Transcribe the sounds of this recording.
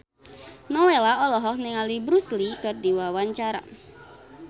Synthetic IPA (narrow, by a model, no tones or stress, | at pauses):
nɔwelaɔlɔɦɔkniŋalibɾuslikərdiwawaɲt͡ʃaɾa̰